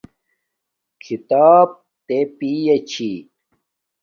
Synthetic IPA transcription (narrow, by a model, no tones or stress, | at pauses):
kʰit̪aːb̚ | t̪epijɐt͡ɕʰi